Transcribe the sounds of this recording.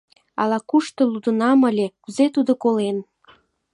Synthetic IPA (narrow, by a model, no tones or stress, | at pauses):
ɑ̰lɑkuʃt̪ŏlud̪ənɑməlʲekuzet̪ud̪okolen